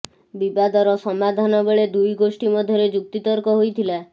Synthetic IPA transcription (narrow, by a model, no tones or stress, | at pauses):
bibad̪ɔɾɔsɔmad̪ʱanɔbeɭed̪ujɡosʈimɔd̪ʱjɔɾed͡ʒuk̚t̪it̪ɔɾkɔɦojt̪ʰila